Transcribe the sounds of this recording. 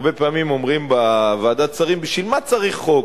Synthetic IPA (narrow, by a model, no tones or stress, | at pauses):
be̞peaːmimo̞mʁimbavaaːd̪att͡saʁimbiʃvilmat͡saʁiχːo